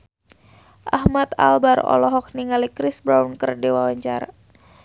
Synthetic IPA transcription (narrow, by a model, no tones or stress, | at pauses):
ʔahmat̪a̰lbarɔ̰lɔɦɔk̚niŋalikɾisbɾawnkərdiwawaɲt͡ʃaɾa